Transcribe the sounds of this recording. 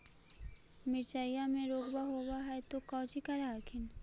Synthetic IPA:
mɪt͡ʃaːjjamẽɾoːɡbaɦoːbaɦɛt̪okɔ̃ːd͡ʒikaɾaːkʰɪn

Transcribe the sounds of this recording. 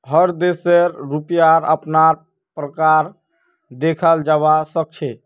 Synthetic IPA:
ɦəɾd̪eseɾɾupijaɾə̰pnaɾ | pɾəkaɾ | d̪ekʰəld͡ʒaβasək̚t͡ʃʰe

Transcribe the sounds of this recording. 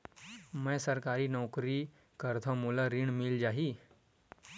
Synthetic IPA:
mɛ̃jsəɾkaɾiːnɔkɾiː | kəɾt̪ʰamulaɾiːɳmild͡ʑaɦiː

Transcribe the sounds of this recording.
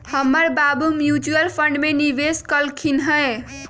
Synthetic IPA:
həmːəɾbabumjud͡ʒuəlpʰəɳɖmeniʋeskəlkʰinɦəj

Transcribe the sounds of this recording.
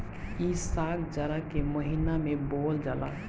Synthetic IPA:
isakʰd͡ʒəɾakeməɦinamebold͡ʒala̰

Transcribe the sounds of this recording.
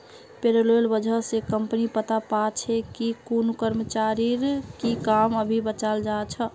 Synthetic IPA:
peɾəlolbəd͡ʒʱəsekəmpnipət̪apat͡ʃʰekikunukəɾmət͡ʃaɾiɾkikaməbʱibət͡ʃald͡ʒat͡ʃʰə

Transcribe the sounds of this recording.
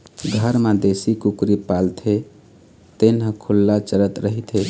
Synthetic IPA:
ɡʱəɾmad̪esikukɾipalt̪ʰe | t̪enɦə̃kʰulːat͡ʃəɾət̪ɾəɦit̪ʰe

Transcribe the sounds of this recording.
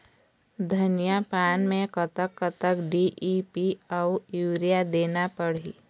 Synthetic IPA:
d̪ʱɐnijapaːnmẽkət̪əkːət̪əkɖiʔipiɔʊjuːɾijad̪eːnapəɽ̤ḭː

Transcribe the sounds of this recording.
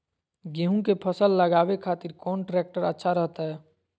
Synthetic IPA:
ɡẽɦũkepʰəsəlːəɡaːbekʰaːt̪iɾkɔːnʈɾeːk̚ʈəɾətːʃʰaɾəɦt̪aɦɛː

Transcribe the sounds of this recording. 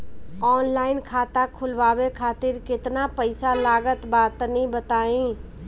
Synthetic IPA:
ɔːnlaːɪnkʰaːt̪akʰʊlʋaːwekʰaːt̪ɪɾkɪt̪napəɪsalaːɡət̪baːt̪nəɦĩbət̪aːĩː

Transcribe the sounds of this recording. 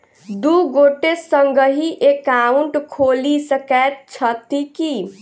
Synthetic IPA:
d̪uɡoʈesəŋɡəɦiʔekauɳʈkʰolisəkɛt̪̚t͡ʃʰət̪iki

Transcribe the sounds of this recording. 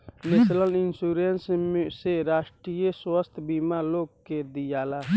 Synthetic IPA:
mɪslənɪnsuːɾensseɾaːʃʈɾijəswəst̪ʰbiːmaloːɡ̚ked̪ijaːlaː

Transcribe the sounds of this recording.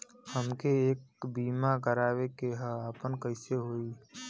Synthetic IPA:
həmkeːk̚biːmakəɾaːʋekeɦəaːpənkəɪseɦoːiː

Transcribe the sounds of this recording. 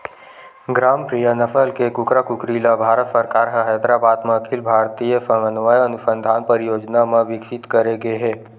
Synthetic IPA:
ɡɾaːmpɾijənəfʰəlkekʊkɾakʊkɾiːlabʱaːɾət̪səɾkaːɾɦəɦɛd̪ɾabaːd̪mɐkʰɪlbʱaːɾt̪ijəsɐmənʋajɐnʊsə̃nd̪ʱaːnpəɾɪjoːd͡ʒnamɐ̃ʋɪkʃɪt̪kəɾeɡeɦɛː

